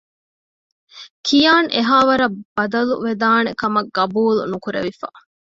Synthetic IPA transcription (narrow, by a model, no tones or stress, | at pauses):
kʰijaːnʔeɦaːʋɐɾɐb̥ɐd̪ɐlṵʋed̪aːnekɐmɐɡːɐbuːlṵnukuɾḛʋifa̰